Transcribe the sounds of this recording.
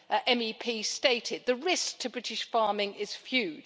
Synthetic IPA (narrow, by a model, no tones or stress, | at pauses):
ʔɛ̃mipʰiːsteɪtʰɪd̪̚ðəɹɪsk̚tʰəbɹɪtɪʃfɑːmɪ̃ŋɪz̥fjʉːd